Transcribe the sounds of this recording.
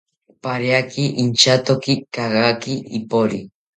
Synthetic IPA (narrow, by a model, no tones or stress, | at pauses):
paɾjakiʔint͡ʃat̪okikaɣakiipoɾi